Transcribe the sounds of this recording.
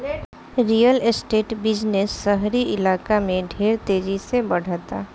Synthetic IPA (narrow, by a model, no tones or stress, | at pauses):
ɾijəlɪsʈeːʈbɪd͡ʒnesːəɦɾiʔɪlaːkamẽɖʱeːɾt̪eːd͡ʒisebɐɽ̤t̪aː